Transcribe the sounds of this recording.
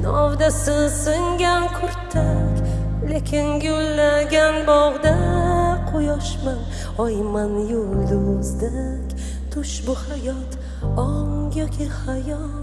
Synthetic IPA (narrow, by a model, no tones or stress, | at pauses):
nɒ̰wd̪asɪsɪŋɡʲankʰoɾt̪ʰːakʲ | le̞kʲʰɪnɡolːaɡʲanbɒʁd̪aqʰojɒʃman | ɒjmanjold̪ʊmʊzd̪a | kʲ | t̪ʰʊʃbʊhajɒt̪ | ɒŋjɒkʲʰihajɒ | t̪